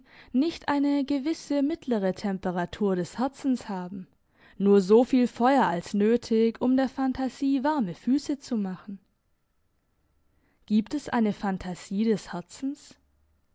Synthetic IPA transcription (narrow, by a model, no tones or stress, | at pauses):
nɪçtʔaɪnəɡəvɪsəmɪtʰləʁ̞ətʰɛmpəʁ̞atʰuːɐɾɛshɛɐt͡sn̩shaːbm̩ | nuːɐzoːfiːlfɔʏɐalsnøːtʰɪçʊmdeːɐfantʰaziːvaɐməfyːsət͡sumaχn̩ | ɡ̥iːptɛsʔa̰ɪnəfantʰaz̥iːdɛshɛɐt͡sn̩s